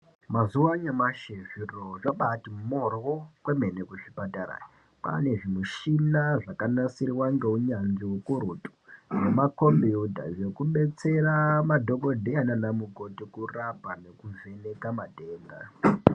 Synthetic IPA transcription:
mazuwaɲamaʃeʐiroʐaɓatimorwokwemenekuʐipatara̰i | pa̰ne̞ʐimuʃinaʐakanasirwaŋɡeuɲand͡ʒiwokuɾutu̥ʐemakombiudʱa̰ʐe̞kuɓe̞t͡se̞ramadʱo̞ko̞dʱeananamuɡo̞tikurapanekuve̞ne̞kamadʱeːnda̰

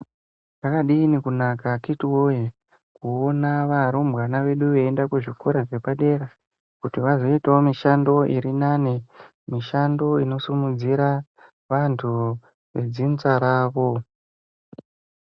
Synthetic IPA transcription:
nakaɗiːnikunakakitiwoje | kuonaʋaɾombwanaʋe̞ɗuʋeːndakuʐikoɾaʐepaɗe̞ɾa | kutiʋazo̞itaomiʃando̞ʔiɾinane | miʃando̞ino̞sumud͡ziɾa | ʋantʰu | ʋe̞d͡zint͡saɾaːʋo̞

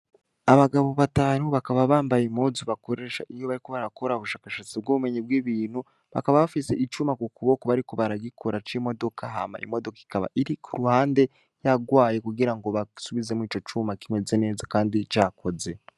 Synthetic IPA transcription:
aβaɡaβo̞βataːnuβakaβaβaːmbajimozuβako̞ɾe̞ːʃa̰ʔijo̞βaɾiko̞βaɾako̞ɾaβuʃaːkaʃat͡sib̚ɡoβume̞ɲibwiːβiːnhu | βa̰kaβaβafise̞ʔit͡ʃuːmakukuβokoβaɾiko̞βaɾaɡikʰoɾat͡ʃimo̞do̞kʰaɦa̰ma̰ḭmo̞dokai̥kaβa̰ʔiɾikʰuɾuhaːnde̞ | jaɡwaːje̞kuɡiɾaŋɡo̞βasuβize̞mwiːt͡ʃo̞t͡ʃumakime̞ze̞ne̞ːzakaːndit͡ʃaːko̞ze̞

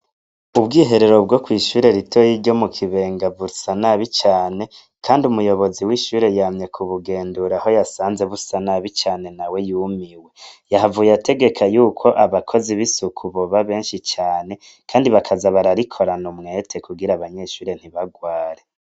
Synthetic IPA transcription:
ubɡiːɦe̞ɾe̞ɾo̞bɡo̞kwiːʃuːɾe̞ɾitʰojiɾɟo̞mukʰiβe̞ːŋɡavusanaβit͡ʃaːne̞ | kʰaːndiumujo̞βo̞ziwiʃuːɾe̞jaːmɲe̞kʰuβuɡe̞ːnduɾaho̞jasaːnze̞βusanaβit͡ʃaːne̞nawe̞juːmiwe̞jaɦavujatʰe̞ɡe̞kʰajuːkʰo̞ʔaβakʰo̞ziβisukʰuβoβaβe̞ːnʃit͡ʃaːne̞ | kʰaːndiβakʰazaβaɾaɾikʰo̞ɾanumŋe̞tʰe̞kuɡiɾaβaɲe̞ʃuːɾe̞n̥hiβaɡwaːɾe̞

